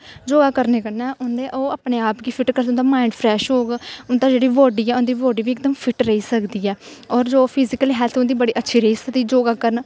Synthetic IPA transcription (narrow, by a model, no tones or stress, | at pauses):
d͡ʒoːɡaːkəɾneːkənɛːʔʊnd̪eːʔoːaːpneːaːpɡiːpʰɪʈkəɾsʊnd̪aːmaːɪɳɖpʰɾɛːʃɦoːɡʊnd̪aːd͡ʒeːɽiːʋoːɖiːɛːʊnd̪iːʋoːɖiːʋiːɪk̚d̪əmpʰɪʈɾəiːsəkd̪iːɛː | ɔːɾd͡ʒoːpʰɪzɪkəliɦɛːlt̪ʰʊnd̪iːbəɽiːʔətːʃʰiːɾəɦiːsək̚d̪iːd͡ʒoːɡaːkəɾən